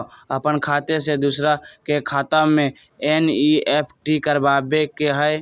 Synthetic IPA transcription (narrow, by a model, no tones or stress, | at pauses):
əpənkʰaːt̪esed̪usɾakekʰaːt̪amẽ | eːniepʰʈikəɾbaːbekeɦəj